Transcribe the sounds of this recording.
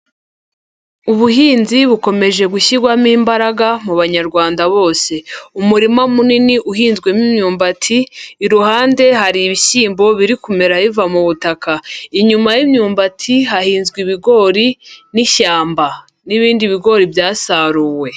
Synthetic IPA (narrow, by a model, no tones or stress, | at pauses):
uβuɦiːnziβuko̞me̞ʒe̞ɡuçiɡwamiːmbaɾaɡamuβaɲaɾɡwaːndaβo̞ːse̞umuɾimamuniniʔuɦiːnzɡwe̞mimɲuːmbatʰiːɾuhaːnde̞ɦaɾiβisiːmbo̞βiɾikume̞ɾaβivamuβutakaiɲumajimɲuːmbatʰiɦahiːnzɡwiβiɡo̞ɾiniçaːmba | niβiːndiβiɡo̞ɾibjaːsaːɾuːwe̞